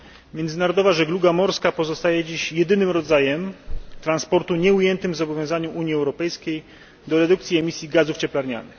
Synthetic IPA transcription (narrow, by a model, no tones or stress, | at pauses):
mʲjɛnd̪zɘnaɾɔd̪ɔvaʐɛɡluɡamɔɾskapɔzɔst̪ajɛd͡ʑiɕjɛd̪ɘnɘmɾɔd̪zajɛmt̪ɾanspɔɾt̪uɲɛujɛnt̪ɘmvzɔbɔvʲjɔ̃w̃zaɲuʔuɲjiɛwɾɔpɛjskʲej | d̪ɔɾɛd̪ukt̪sʲiɛmʲisʲjiɡazuft͡ɕɛplaɾɲa̰nɘx